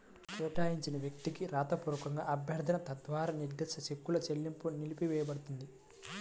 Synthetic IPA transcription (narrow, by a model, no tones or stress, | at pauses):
t͡ʃɛːʈaːjiɲt͡ʃinɐʋjɐkt̪ikiɾaːt̪ɐpuːɾɐkɐŋɡa̰ːʔɐbʱjɐɾd̪ʱɐnɐt̪ɐd̪ʋaːɾaːniɾd̪ɐsɐt͡ʃekːulɐt͡ʃelːimpunilipiʋɛːjɐbɐɽut̪und̪i